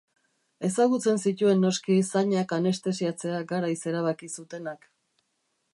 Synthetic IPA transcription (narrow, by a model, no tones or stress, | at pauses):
e̞saɣut͡se̞nsit̪ue̞nːo̞skisaɲakane̞st̪e̞siat͡se̞aɡaɾajse̞ɾaβ̞akisut̪e̞nak